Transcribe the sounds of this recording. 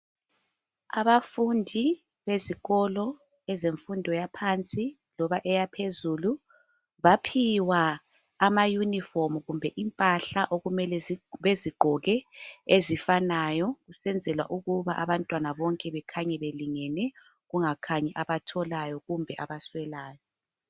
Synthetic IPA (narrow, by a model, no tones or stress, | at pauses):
aβafundʱi | βeziɣɔlɔ | ɛzeɱfundʱɔjapʰant͡sʼi | lɔβaʔɛjapʰezulu | βapʰiwaː | majunifɔmuɣumbʱɛʔimpʼaɬaʔoɣumɛlɛziβeziɡ͡ǃʱɔɣɛezifanajɔɣusɛnd͡zʱɛlwa̰ʔuɣuβaʔaβantʼwanaβɔŋkʼɛβɛkʰaɲɛβeliŋɛnɛ | ɣuŋakʰaɲɛʔaβatʰɔlajɔɣumbʱɛʔaβaswɛlaːjɔ